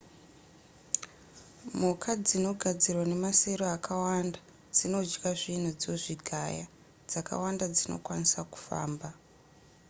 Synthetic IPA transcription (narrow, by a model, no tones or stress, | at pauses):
mukad͡zino̞ɡʱad͡zirwane̞mase̞ɾoakawanda | d͡zino̞d͡ʒɡaʐin̤ud͡zoʐiɡʱaja | d͡zaka̰wandad͡zino̞̰kwanisaku̥fa̰ːmba